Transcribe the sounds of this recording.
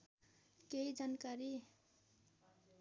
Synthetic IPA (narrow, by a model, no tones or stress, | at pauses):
keid͡zankaɾi